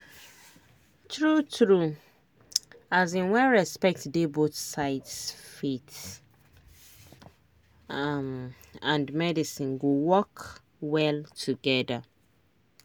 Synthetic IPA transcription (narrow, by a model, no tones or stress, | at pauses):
tʰɹutʰɹu | azĩnwɛɹɛspɛk̚tdebotsaɪtsfit | m | ãndmɛdisĩnɡowɔk | wɛltʰuɡɛda